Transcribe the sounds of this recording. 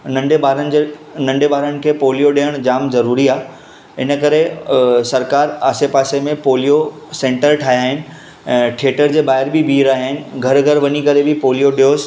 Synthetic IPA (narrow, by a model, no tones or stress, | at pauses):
nɐ̃ɳɖebaːɾənnɐ̃ɳɖebaːɾənɪ̆kʰeːpoːlijoɗiːəɽ̃d͡ʑaːmzɐɾuːɾiaː | ɪnə̆kɐɾesɐɾkaːɾaːsepaːsemẽpoːlijo | sẽːɳʈəɾʈʰaːɦiaːɦɪnɪ̆ | ɛ̃ːʈʰeːʈəɾd͡ʑeːbaːɦɪɾbʱɪbʱiːɾaːɦaːɦɪnɪ̆ɡʱɐɾɡʱɐɾʋɐɲikɐɾebɪpoːlijoɗijoːs